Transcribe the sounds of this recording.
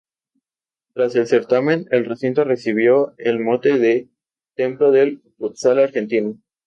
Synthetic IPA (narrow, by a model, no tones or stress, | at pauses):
t̪ɾase̞lse̞ɾt̪amẽ̞ne̞lresint̪o̞re̞siβ̞jo̞elmot̪eðe | t̪e̞mplo̞ðelput̪salaɾxe̞nt̪ino